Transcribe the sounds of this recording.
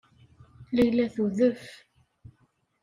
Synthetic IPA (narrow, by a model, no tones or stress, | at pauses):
læjlæθuðəf